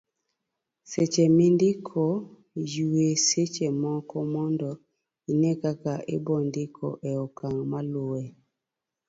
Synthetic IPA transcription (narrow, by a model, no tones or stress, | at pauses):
set͡ʃemindikʰɔ | juweset͡ʃemɔkɔmɔndɔ | inɛkakaʔḛbɔndikʰɔ̰ʔɛɔkaŋmaloɛ